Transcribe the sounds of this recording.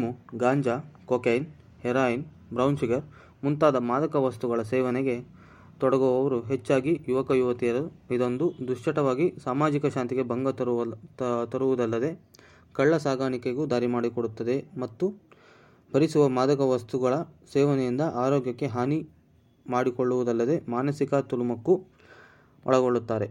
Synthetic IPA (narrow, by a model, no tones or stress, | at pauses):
muɡaːɲd͡ʒakoːkejn | hɛɾaːjin | bɾɐwnsiɡɐɾ | munt̪aːd̪ɐmaːd̪ɐkɐʋɐst̪uɡɐɭɐsɛːʋɐnɛɡe̞ | t̪ɔɽɐɡɔʋɐʋɐɾuɦet͡ʃːaːɡijuʋɐkɐjuʋɐt̪ijɐɾɐid̪o̞nd̪ud̪uʂʈɐʈɐʋaːɡisaːmaːd͡ʒikɐʃaːnt̪iɡe̞bɐŋɡɐt̪ | t̪ɐɾuʋud̪ɐlːɐd̪e̞ | kɐɭːɐsaːɡaːɳikeɡud̪aːɾimaːɽikoɽut̪ːɐd̪e̞mɐt̪ːu | bʱɐɾisuʋɐmaːd̪ɐkɐʋɐst̪uɡɐɭɐsɛːʋɐnɛjind̪ɐʔaːɾoːɡjɐkːe̞ɦaːni | maːɽiko̞ɭːuʋud̪ɐlːɐd̪e̞maːnɐsikɐt̪ulumɐkːu | ʔɐ̰ɭɐɡo̞ɭːut̪ːaːɾe̞